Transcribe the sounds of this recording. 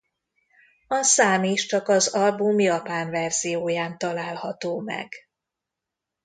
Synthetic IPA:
ɒsaːmiʃt͡ʃɒkɒzɒlbumjɒpaːnvɛrz̥ijoːjaːnt̪ɒlaːlhɒt̪oːmɛ̰ɡ

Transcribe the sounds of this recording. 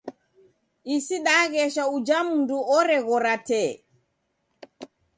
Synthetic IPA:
ʔisiɗaɣɛʃaud͡ʒamunduɔɾɛɣɔɾatɛ

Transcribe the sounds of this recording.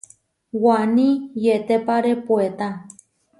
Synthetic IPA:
wanĩjet̪epaɾepuet̪ã

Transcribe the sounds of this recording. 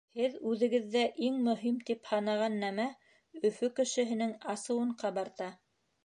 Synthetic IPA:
hɘðʉðɘ̆ɡɘ̆ðːæʔiŋmɵ̆ɦimt̪iphɑnɑʁɑnːæmæ | ɵ̆fɵkɘ̆ʃɘ̆ɦɘ̆nɘŋɑsɤ̆wɤ̆ɴqɑβɑɾt̪ɑ

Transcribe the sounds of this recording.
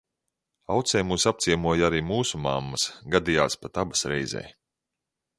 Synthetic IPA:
awt̪sɛjmuːsap̚t̪siɛmuɔjaɾiːmuːsumamːɐsɡad̪ijaːspat̪abasɾɛjzɛ̰ːj

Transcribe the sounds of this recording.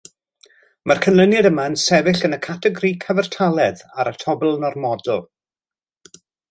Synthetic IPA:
markʰənlˠənjadəmansɛvɪɬənəkʰatʰɛɡrikʰəvɛrtʰalˠɛðaɾətʰɔbɛlˠnɔrmɔdlˠ

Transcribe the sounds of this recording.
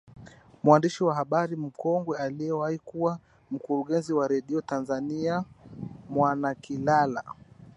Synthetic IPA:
mwandiʃiwaɦaɓaɾim̩kɔŋɡwɛaliɛwahikuwa | m̩kuɾuɠɛnziwaɾɛɗiɔtanzania | mwanakilala̰

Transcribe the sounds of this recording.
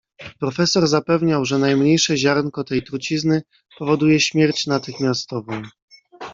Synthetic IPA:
pɾɔfɛsɔɾzapɛvɲawʐɛnajmɲejʂɛʑaɾnkɔt̪ɛjt̪ɾut͡ɕiznɘ | pɔvɔd̪ujɛɕmʲjɛɾt͡ɕnat̪ɘxmʲjast̪ɔvɔ̃w̃

